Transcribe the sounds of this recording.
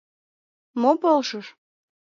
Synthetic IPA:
mopolʃəʃ

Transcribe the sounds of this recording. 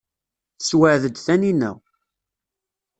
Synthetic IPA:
θswəʕðəd̪θæninæ̰w

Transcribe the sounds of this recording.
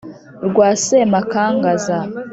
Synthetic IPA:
ɾɡwaːsemakaːŋɡaza

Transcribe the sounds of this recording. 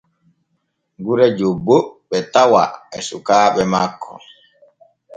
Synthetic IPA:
ɡuɾɛd͡ʒobːoɓɛtawa̰ɛsukaːɓɛmakʰːɔ̰

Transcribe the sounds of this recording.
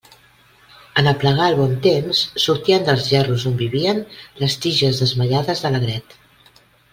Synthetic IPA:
ənəpləɣ̞aəlˠβɔnt̪emsːuɾt̪iənd̪əlˠzʒɛruzombiβ̞iənləst̪iʒəzðəzməʎaðəzðələɣɾɛt̪

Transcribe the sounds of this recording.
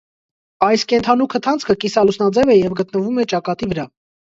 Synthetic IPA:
ɑjskɛnt̪ʰɑnukʰət̪ʰɑnt͡sʰkʰəkisɑlusnɑd͡zɛvɛjɛvɡət̪nəvumɛt͡ʃɑkɑt̪ivəɾɑ

